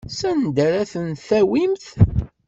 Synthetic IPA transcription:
sænd̪ɾæθənθæwimθ

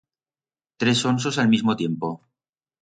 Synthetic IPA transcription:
t̪ɾe̞sons̬osalmizmot̪je̞mpo

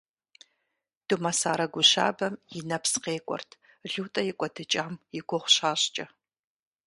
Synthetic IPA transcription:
d̥ɨmɐsaːɾɐɡʷʊɕa̰ːbɐmjɪnɐpsqeːkʷʼɔ̰rtʰ | ɮuːtʼɐjɪkʷʼɔdɨt͡ʃʼaːmjɪɡʷʊχʷʊɕaːɕt͡ʃʼɐ

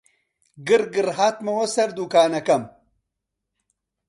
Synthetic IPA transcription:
ɡɨɾɡɨɾhaːt̪mɐwɐsɐɾd̪uːkaːnɐkɐm

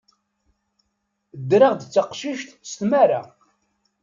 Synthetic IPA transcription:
d̪ɾəʁd̪ət͡sːəqʃiʃt̪st̪mæɾa̰

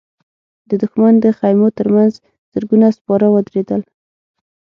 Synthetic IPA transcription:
d̪əd̪ʊxmand̪əxajmot̪əɾmanz | z̥əɾɡunaspɑɾawəd̪ɾed̪əl

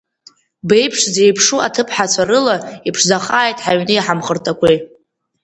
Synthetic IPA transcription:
be̞jpʰʂzejpʰʂua̰tʰɨpʰħat͡sʷʰaɾɨlaipʰʂzaχaːjtʼħaɥnɨjħamχərtʰakʷʰej

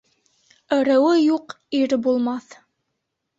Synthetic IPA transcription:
ɘ̆ɾɘ̆wɘjuq | iɾbulˠmɑθ

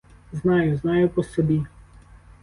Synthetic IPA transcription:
znɑjʊznɑjʊpɔsɔbʲi

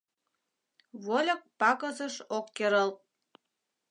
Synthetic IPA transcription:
βolʲə̆k̚pɑkə̆zəʃokːeɾəlt̪̚

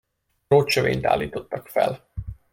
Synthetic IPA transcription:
oːt͡ʃøvḛːɲt̪a̰ːlːiːt̪o̞t̪ːɒkfɛ̰l

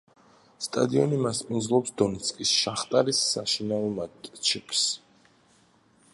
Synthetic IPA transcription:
st̪ʼa̰d̪iɔnimaspʼind̪zlˠɔpsd̪ɔnɛt̪sʰkʼisʃaχt̪ʼaɾisːaʃinaɔmat̪ʼt͡ʃʰɛpʰs

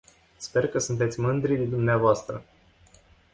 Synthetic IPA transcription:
spe̞rkəsunt̪e̞t̪sʲmɨnd̪ɾid̪ed̪umneavoast̪ɾə

